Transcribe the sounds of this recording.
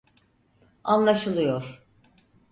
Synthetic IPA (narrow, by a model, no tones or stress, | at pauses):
anlˠaʃɯlˠɯjo̞ɾ̥